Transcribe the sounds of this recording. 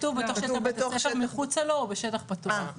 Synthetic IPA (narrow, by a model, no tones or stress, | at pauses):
tuvbet̪oχʃeatefemiχut͡saloːbeʃet̪aχpat̪u